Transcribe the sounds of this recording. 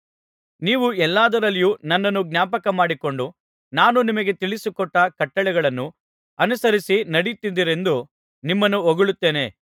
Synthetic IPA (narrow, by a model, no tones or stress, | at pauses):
niːʋuɛlːaːd̪ɐɾɐlːijuːnɐnːɐnːuɡnʲjaːpɐkɐmaːɽikoɳɖu | naːnunimɐɡe̞t̪iɭisukɔʈːɐkɐʈːɐɭɛɡɐɭɐnːu | ɐnusɐɾisinɐɽit̪ːid̪iɾe̞nd̪u | nimːɐnːuoɡuɭut̪ːe̞ːne̞̰